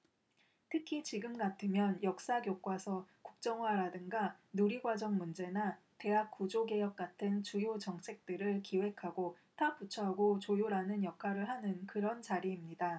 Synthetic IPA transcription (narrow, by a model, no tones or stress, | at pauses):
tʰɯkʰit͡ɕiɡɯmɡatʰɯmjʌnjʌk̚s͈aɡjok͈wasʰʌkuk̚t͡ɕ͈ʌŋwaɾadɯŋɡanuɾiɡwad͡ʑʌŋmund͡ʑe̞na | te̞ɦak̚k͈ud͡ʑoɡe̞jʌk̚k͈atʰɯnt͡ɕujot͡ɕʌŋt͡ɕʰe̞k̚t͈ɯɾɯɭkiwe̞kʰaɡo | taput͡ɕʰʌɦaɡot͡ɕojoɾanɯnjʌkʰaɾɯɭɦanɯnkɯɾʌnt͡ɕaɾiːmɲida